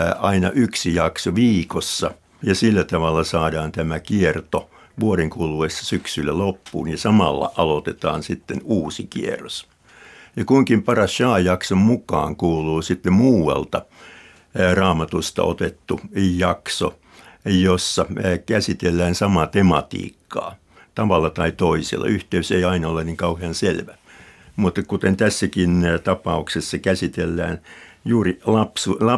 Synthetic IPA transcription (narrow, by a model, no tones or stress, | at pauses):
ɑinɑ̰ʔyksijɑksoʋiːkosːɑ | jɑsilːæt̪ɑʋɑlːɑsɑːdɑːnt̪æmækiert̪o | ʋuoɾeŋkuluesːɑ̥syksylːælopːṵːnjɑsɑmɑlːɑ̰ʔɑlot̪et̪ɑ̰ːnsit̪ːenuːsikiḛrˑos | jɑkuiŋkimpɑrɑsʃɑːjɑksommukɑ̰ːŋkuːluːsit̪ːemmuːwɑ̰lt̪ɑ | rɑːmɑt̪ust̪ɑ̰ʔo̰t̪et̪ːujɑkso̰ | josːɑkæsit̪elːæːnsɑmɑt̪emɑt̪ḭːkːɑ̰ː | t̪ɑʋɑlːɑt̪ɑit̪oisḛlːɑ̰yht̪eyseiɑinɑolenniŋkɑuheɑnselʋæ | mut̪ːɑkut̪ent̪æsːækint̪ɑpɑuksesːɑkæsit̪elːæ̰ːnjuːrilɑpsulɑ